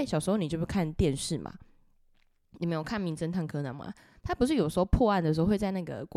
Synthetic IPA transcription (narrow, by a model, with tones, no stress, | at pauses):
ɕjɑ˨˩ʂ̩˧˥xo˥˧ni˨jo˥˧˩ʂu˥˩kʰa˥˨nt̪jɛ˥˧nʂɻ̩˥˩mʔa̰˨˩ | ni˨˩me˧˥ɪjo˨˩kʰa˥˩nmi˧˥ŋt͡sə˥nt̪ʰa˥˩ŋkʰɤ˧na̰˨˦nma̰˨ | t̪ʰa˥pu˧˦ʂ̬ɻ̩˥˩jo˨˩ʊʂ̩˧˥xo˧pʰwɔ˥˧a˥˩nd̪ə˩ʂ̩˧˥o˧we˥˧t͡sɪna˥˩ɡə̰˨˩k